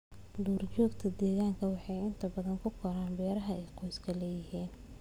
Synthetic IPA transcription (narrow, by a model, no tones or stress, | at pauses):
luːrt͡ʃɔːɡt̪ʰɐd̪ɛːɣaːŋkʰɐwɑħɑjɪnt̪ʰɐbɐðɐŋkʰʊkʰɔɾaːnbɛːɾɐɦɐɛjqɔjskʰɐlɛːjɪɦiːn